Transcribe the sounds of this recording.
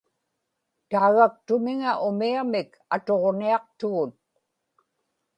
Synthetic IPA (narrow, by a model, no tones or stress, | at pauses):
t̪aːɣak̚t̪ʊmɪŋaʔʊmiamɪk | at̪o̞ʁniɑq̚t̪ʊɣʊt̪̚